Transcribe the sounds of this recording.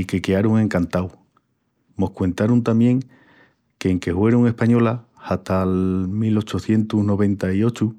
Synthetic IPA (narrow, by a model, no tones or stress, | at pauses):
ike̞keaɾuŋe̞ŋkant̪aw | mo̞hkwe̞nt̪aɾunt̪amje̞ŋ | keːŋke̞hwe̞ɾuŋe̞hpaɲo̞la | hat̪almilo̞t͡ʃoθje̞nt̪uzno̞β̞e̞nt̪aio̞t͡ʃu